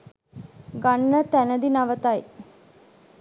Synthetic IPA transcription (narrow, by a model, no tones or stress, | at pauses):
ɡanːət̪ænəd̪inaʋət̪aj